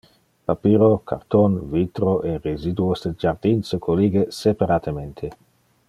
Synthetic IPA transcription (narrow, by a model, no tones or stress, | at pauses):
papiːɾokʰa̰ɾt̪onvit̪ɾoʔerezid̪uosd̪ed͡ʒaɾd̪insekʰoliɡesepaɾat̪ʰement̪ʰe